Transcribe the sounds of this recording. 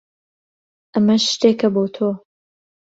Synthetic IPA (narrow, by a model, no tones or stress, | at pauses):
ʔɐmɐʃʃt̪eːkɐbot̪ʰoː